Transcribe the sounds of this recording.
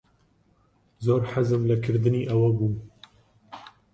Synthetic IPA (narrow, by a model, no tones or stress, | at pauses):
zoːɾħazɨmlɨkʰɨɾd̪ɨniːʔɛwɐbuːm